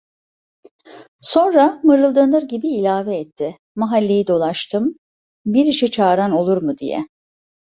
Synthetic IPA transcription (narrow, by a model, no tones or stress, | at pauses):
so̞nɾamɯɾɯlˠd̪ɯnɯɾɟibiːlʲaːvɛɛt̪ʰːɪ | maɦalʲːe̞jid̪o̞lˠaʃt̪ʰɯm | biɾiʃit͡ʃʰaːɾano̞lˠuɾmud̪ḭjɛ̰